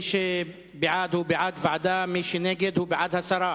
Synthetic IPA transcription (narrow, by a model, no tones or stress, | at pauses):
ʃe | bɪʕaːd̪hubɪʕaːd̪vaʕd̪aːmiːʃneːɡɪd̪hubɪʕaːd̪hasˤɑɾˤɑː